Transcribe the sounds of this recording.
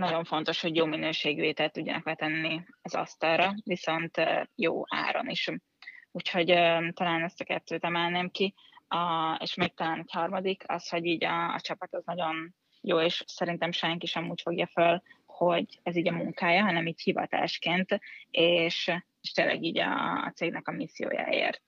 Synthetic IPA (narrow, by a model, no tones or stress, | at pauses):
nɒɟo̞ɱfo̞nt̪o̞ʃho̞ɟjoːminøːʃeːɡieːt̪ɛlt̪ːuɟːɒnɒ̰klɛt̪ɛnːiɒzɒ̰st̪ɒlrɒviso̞nt̪jo̰ːa̰ːɾo̞̰niʃ | ucho̞ɟt̪ɒlaːnɛst̪ɒkɛt̪ːøːt̪ɛmɛlneːmki | ɒeːʃmik̚t̪ɒlaːnochɒrmɒd̪ikʰɒ̰sho̞ɟiːɟɒ̰ːt͡ʃɒpɒt̪ɒznɒɟo̞n | joːeːʃsɛɾint̪ɛmʃɛŋkiʃɛmuːcfo̞ɡjɒfølho̞ɟɛziːɟɒmuŋkaːjɒɦɒnɛmiːchivɒ̰t̪a̰ːʃkeːnt̪eːʃ | eʃt̪eːlːʔɛ̰ɡiːɟɒ̰ːt̪seːɡnɛkɒmisːijo̰ːja̰ːḛːrt̪̚